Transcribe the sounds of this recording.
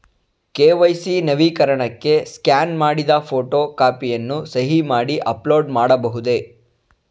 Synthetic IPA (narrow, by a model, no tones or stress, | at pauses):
keːʋɐjsinɐʋiːkɐɾɐɳɐkːe̞skjaːnmaːɽid̪ɐpʰoːʈoːkaːpijɐnːusɐɦimaːɽiʔɐploːɖmaːɽɐbɐɦud̪e̞